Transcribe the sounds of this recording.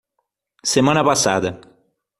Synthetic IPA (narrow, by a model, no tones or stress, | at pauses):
semɐ̃nɐpasa̰d̪ɐ